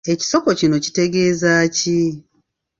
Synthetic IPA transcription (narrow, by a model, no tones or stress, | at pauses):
e̞ci̥so̞ko̞cino̞ci̥te̞ɡe̞ːzaːci